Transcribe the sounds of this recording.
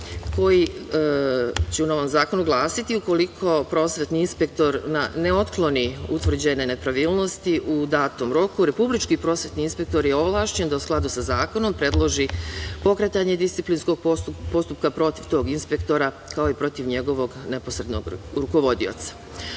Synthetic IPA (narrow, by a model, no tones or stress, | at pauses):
ko̞ji | t͡ɕeuno̞ʋo̞mzaːko̞nuɡlˠaːsit̪iuko̞likʰo̞pɾo̞ːsʋe̞t̪niinspe̞k̚t̪o̞ɾnane̞o̞t̪klˠo̞niut̪ʋr̩d͡ʑene̞ne̞pɾaʋiːlˠno̞st̪iʔud̪aːt̪omɾo̞kuɾe̞publit͡ʃkipɾo̞sʋe̞t̪niinspe̞kt̪o̞ɾjeo̞ʋlˠaːʃt͡ɕe̞nd̪ausklad̪usazaːko̞no̞mpɾe̞d̪lˠo̞ʒipo̞kɾet̪aɲe̞d̪ist̪iplinsko̞ɡ̚po̞st̪upkapɾo̞t̪iʋt̪o̞ːɡinspe̞kt̪o̞ɾa | kao̞ipɾo̞t̪iʋɲe̞ɡo̞ʋo̞ɡne̞posɾe̞d̪no̰ɡɾuko̞ʋo̞d̪io̰t̪sḁ